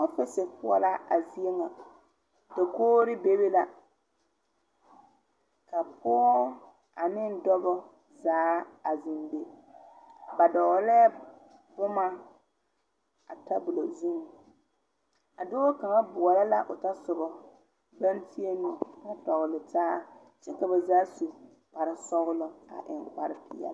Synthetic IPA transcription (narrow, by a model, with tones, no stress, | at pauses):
ɔ˦fɪ˦sɪ˨pʊ˦ɔ̰˦la˦a˨zi˦e˦ŋa˨ | da˨koː˦ɾɪ˦be˦be˦la˨ | ka˨pʊ˦ɔ˦ | a˨nɪ˦n˦dɔ˦bɔ˦ | zaː˨˦a˨zɪ˨nbe˦ | ba˨dɔ˨ɣlɛː˦ | bʊ˦ma˦ | a˨ta˦bʊ˨lo˨zu˦ŋ˨ | a˨do˦o˦ka˨ŋa˦bʊ˨ɔ˨la˦la˦ʔʊ˨ta˦sʊ˨bɔ˨ | ba˦nti˦e˦nʊ˨na˦tɔ˨ɣʊ˨lɪ˨taː˦ | t͡ʃɛ˦ka˨ba˨zaː˦su˨ | pa˨ɾɪ˦sɔ˦ɣʊ˦lɔ˦a̰˨ʔɪ˨ŋk͡pa˨ɾɪ˦pɪ˨jɛ̰˦